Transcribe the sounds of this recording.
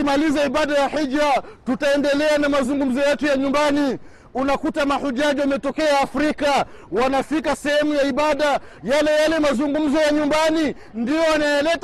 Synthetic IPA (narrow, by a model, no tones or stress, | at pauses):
malizaiɓaɗajahiʄɾatutaɛndɛlɛanamazuŋɡum̩zɔjɛtujaɲumbani | unakutamahuʄaʄiwamɛtɔkɛaːfɾika | wanafikasɛhɛmujaiɓaɗa | jalɛjalɛmazuŋɡum̩zɔjaɲumbani | ndijɔwanajalɛt